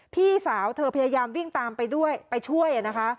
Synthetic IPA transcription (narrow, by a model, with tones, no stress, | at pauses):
pʰiː˥˩saː˩˦wt̪ʰɤː˧pʰa˧jaː˧jaː˧mwi˥˩ŋt̪aː˧mpa˧jdu˥˩əjpa˧jt͡ɕʰu˥˩əjʔa˨˩na˦˥kʰa˦˥ʔ